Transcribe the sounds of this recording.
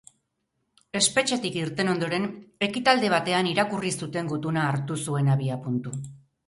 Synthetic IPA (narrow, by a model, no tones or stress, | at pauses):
e̞spe̞t͡ʃe̞t̪ikiɾt̪e̞no̞nd̪o̞ɾe̞ne̞kit̪ald̪e̞β̞at̪e̞aniɾakurisut̪e̞ŋɡut̪unaːɾt̪usue̞naβiapunt̪u